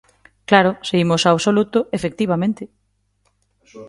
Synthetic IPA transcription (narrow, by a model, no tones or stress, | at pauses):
klaɾʊseimʊsaːβsolut̪ʊʔefek̚t̪iβamẽnt̪ɪ